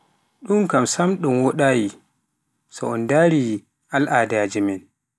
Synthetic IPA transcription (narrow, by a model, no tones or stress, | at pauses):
ɗumkamsamɗumwɔɗaːji | sɔ̰ɔndaːɾi | ʔalʔaːdad͡ʒɛmɛn